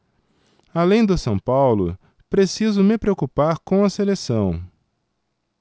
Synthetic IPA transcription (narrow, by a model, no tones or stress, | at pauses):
alẽj̃d̪ʊsɐ̃w̃pawlʊ̰ | pɾesizʊmɪpɾeokupaɾkõw̃ɐselesɐ̃w̃